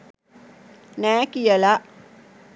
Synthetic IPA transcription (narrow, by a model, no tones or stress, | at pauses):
næːkijəla